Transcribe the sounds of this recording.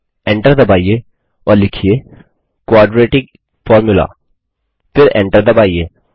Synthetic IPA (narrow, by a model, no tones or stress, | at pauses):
ɛ̃ɳʈəɾd̪ɐbaːie | ɔːɾlɪkʰie | kwaːɖɾeːʈɪ̃ɡ | fɔːɾmjʊla̰ː | fɪɾɛ̰̃ɳʈəɾd̪ɐbaːieː